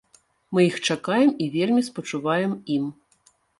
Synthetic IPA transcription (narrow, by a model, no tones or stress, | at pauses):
mɨjixt͡ʂakajɛmivʲelʲmʲispɐt͡ʂuvajɛmim